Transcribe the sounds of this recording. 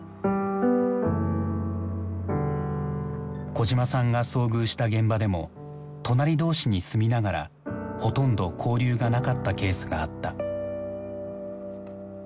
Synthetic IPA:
ko̞ʑimasãŋɡaso̞ːɡɯ̟ːɕi̥t̪aɡẽ̞mbad̪e̞mo̞̰ | t̪o̞naɾʲid̪o̞ːɕiɲ̟isɨmʲinaɡaɾa̰ | ho̞t̪õ̞nd̪o̞kʰo̞ːɾʲɨːɡanakat̪ːake̞ːsɨɡa̰ːt̪ːa

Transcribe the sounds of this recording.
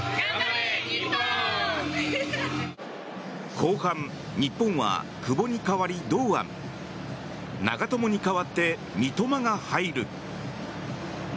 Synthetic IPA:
kʰo̞ːhãn | ɲipːõ̞ɰ̃βa̰ | kɯ̟bo̞ɲ̟ikaβaɾʲid̪o̞ːã̰m | na̰ɡat̪o̞mo̞ɲ̟ikaβat̪ːe̞ | mʲit̪o̞maŋahaiɾɯ̟

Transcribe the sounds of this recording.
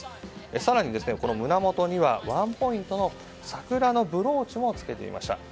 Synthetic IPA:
esaɾaɲ̟id̪e̞sɨne̞ko̞no̞mɯ̟namo̞t̪o̞ɲ̟iβaβãmpo̞ĩnt̪o̞no̞ | sakɯ̟ɾano̞bɯ̟ɾo̞ːt͡ɕimo̞t͡sɨ̥ke̞t̪e̞̰ḭmʔa̰ɕi̥t̪a̰

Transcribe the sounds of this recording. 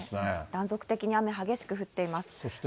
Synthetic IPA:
ed̪̥ãnzo̞kɯ̟̥t̪e̞kʲiɲ̟iame̞ɦaɡe̞ɕi̥kɯ̟ɸɯ̟t̪ːe̞imasɨ̥soɕt̪

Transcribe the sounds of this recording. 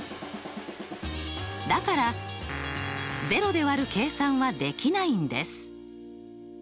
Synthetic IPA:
d̪akaɾa | ze̞ɾo̞d̪e̞βaɾɯ̟ke̞ːsãɰ̃βad̪e̞kʲinaĩnd̪e̞̰sɨ̥

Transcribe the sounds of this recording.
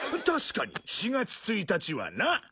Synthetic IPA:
t̪aɕi̥kaɲ̟ḭɕiɡat͡sɨ̥t͡sɨit̪at͡ɕiβa̰na

